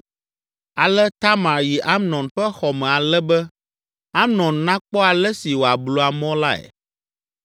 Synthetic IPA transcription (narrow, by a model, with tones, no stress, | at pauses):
a˨lɛ˦t̪a˦mã˨ɾji˨ʔa˦mnɔ̃˨nɸɛ˦xɔ˨mɛ̃˨a˨lɛ˦bɛ˦ | a˦mnɔ̃˨nnã˦k͡pɔ˦a˨lɛ˦si˨wo˨a˨blo˨a˨mɔ̃˦la˦ɛ̰˨